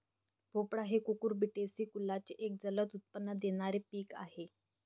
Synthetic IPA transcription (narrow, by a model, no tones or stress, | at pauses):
bʱopɽaɦekukuɾbiʈesiːkulːat͡ɕeʔek̚d͡zələt̪ut̪̚pənːəd̪eɽ̃aɾepiːka̰ɦe